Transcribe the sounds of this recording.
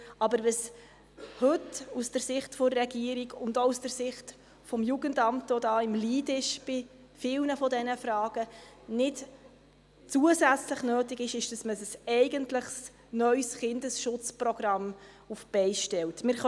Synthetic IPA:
ɑbəɾʋəs | hɵtusd̥əɾsɪχtfɔɾrːɛɡiəɾiɡʊndousd̥əɾsɪχt | fɔmjuɡəndɑmtʋɔdɑːɪmliːdɪʃb̥ɪ | fɪlnəfɔdɛnəfɾɑːɡ̥ə | nɪt | t͡suəsæt͡sləχnøːtɪɡɪʃɪʃd̥ɑsməsəsɛɪɡəntləχs | nœʏsχɪndəsʃʊt͡sprɔɡrɑm | ufb̥ɛɪʃtɛltmɪɾχ

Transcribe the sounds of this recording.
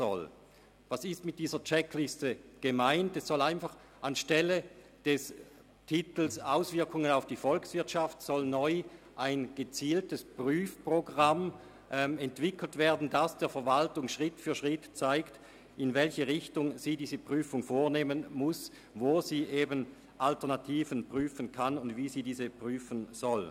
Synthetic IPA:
zɔ̰l | vasɪstmɪt̚d̥iːzɐt͡ʃɛkʰlɪstəɡ̥əmaɪntɛsːɔlaɪnfaχ | anʃtɛlə | d̥ɛs | tʰɪtl̩saʊsv̥ɪɐkʊŋənaʊfd̥iːfɔlksv̥ɪɐtʃaftsɔlnɔʏ | ʔaɪnɡ̥ət͡siːltəspʁyːfpʁ̥oɡʁam | ʔɛmɛntv̥ɪkʰl̩tv̥eːɐdn̩dasd̥eːɐfɛɐvaltʊŋʃʁɪtfyːɐʃʁɪtt͡saɪkt | ɪnvɛlçəʁɪçtʊŋziːdiːzəpʁ̥yːfʊŋfoːɐneːmənmʊs | voːz̥iːʔeːbən | ʔaltɛɐnatʰiːvənpʁ̥yːfənkʰanʊndviːziːdiːzəpʁ̥yːfənz̥ɔl

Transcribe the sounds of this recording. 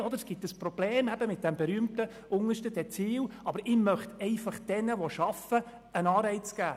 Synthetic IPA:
ɔd̪əɾsɡ̥ɪtəsprɔb̥leːmɛbəmɪt̚d̥ɛmbɛɾyəmtə | ʊŋəʃtəd̥ɛt͡siːwɑbəɾɪmœχtɛɪfɑχd̥ɛnəʋoʃɑfə | ənɑːɾɛɪt͡sɡ̥æː

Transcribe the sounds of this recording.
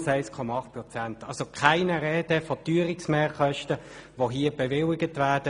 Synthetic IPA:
saɪskʰɔmaɑχt̚pʁɔt͡santɑlsokʰaɪnəʁɛːdəfɔtyːəɾɪksmɛːʁχœʃtə | ʋoɦiəbɛvɪlɪɡətvæːd̥ə

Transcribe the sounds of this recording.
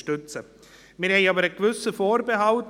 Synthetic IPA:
ʃtʏt͡sə | mɪːɾhɛɪɑːbəɾəɡvʏsəfoːɾbeɦɑlt

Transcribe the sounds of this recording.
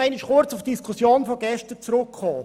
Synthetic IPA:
ɛɪnɪʃχʊɾt͡sufd̥iskʰʊsjoːnfɔɡɛʃtət͡sɾʊkʰχɔː

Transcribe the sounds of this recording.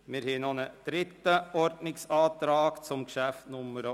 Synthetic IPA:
meɾheːnoːnəd̪̥ɾɪt̪ːəɔɾdnɪŋsɑːd̪ɾɑːɡ̥sɔmkʃæfnʊməɾə

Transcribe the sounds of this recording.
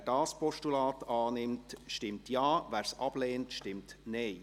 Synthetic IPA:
d̥ɑːspɔʃtulɑːtɑːnɪmtʃtɪmtjɑːʋæːɾsɑb̥leːntʃtɪmtneɪ

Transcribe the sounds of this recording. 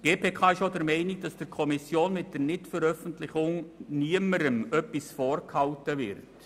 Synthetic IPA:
ɡ̥eːpʰeːkʰɑːɪʃodəɾmɛɪnɪk̚d̥ɑsd̥ɪɾkʰɔmɪsjoːnmɪt̚d̥əɾnɪtfəɾœfən̩tlɪχʊŋniəməɾəmœpːisfɔːɾkhɑltəvɪɾt

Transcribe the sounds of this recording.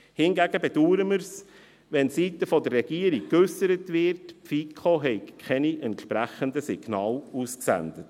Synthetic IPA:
hɪnɡæɡəbɛd̥uːɾəməɾs | ʋɛnsitəfɔdərːɛɡ̥iːəɾikːøsəɾətʋɪɾtpfikʰχoɦɛɪkkʰɛniʔɛntʃpɾæχəndəsiɡ̥nɑːlusksæ̰ndət

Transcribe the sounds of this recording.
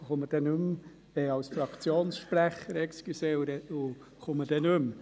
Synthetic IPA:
χʊməd̥ɛnʉm | ɛɑwsfɾɑkt͡sjoːnsʃpɾæχəɾɛkskysɛwɾɛʊ | χʊməd̥ɛnɵm

